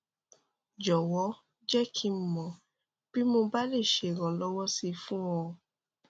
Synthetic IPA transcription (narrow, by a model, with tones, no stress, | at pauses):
d͡ʒɔ˨wɔ˨˦ | d͡ʒɛ˦kʰĩ˧m̩˨mɔ̃˨ | b̥i˦mo˧ba˦le˦˨ʃe˨ɾɔ̃˨lɔ˦wɔ˦si˧fũ˦w̃ɔ̃˧